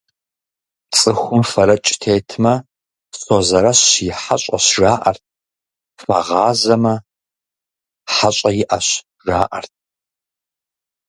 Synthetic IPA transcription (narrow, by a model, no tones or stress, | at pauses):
t͡sʼɨxʷʊmfɐɾɐt͡ʃʼtʰeːtʰmɐ | sozɐɾɐɕjɪħaɕʼɐ̰ɕʒaːʔɐ̰rt̚ʰ | fɐ̰ʁɑːzɐmɐ | ħaɕʼɐjɪʔɐɕ | ʒaːʔɐrt̚ʰ